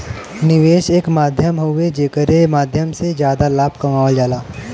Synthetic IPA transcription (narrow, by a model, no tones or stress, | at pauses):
nɪʋeːʃeːkmaːd̪ʱjəmɦoed͡ʒeːkəɾemaːd̪ʱjəmsed͡ʒjaːd̪alaːb̚kɐmaːʋəld͡ʒaːlaː